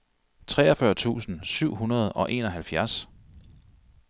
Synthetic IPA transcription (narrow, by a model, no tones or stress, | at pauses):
t͡sʰʁɛ̰ːɒfɶɐt͡sʰṵːsn̩syʊ̰ɦunɐð̞ˠɒ̽ʔe̝̰ːnɒ̽ɦælfjæɐs